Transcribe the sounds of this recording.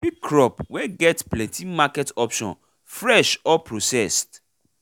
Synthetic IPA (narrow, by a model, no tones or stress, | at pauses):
bikkɾɔpwɛɡɛtplɛ̃ntʰĩmakɛtɔpʃɔ̰̃n | fɹɛʃɔpɹosɛst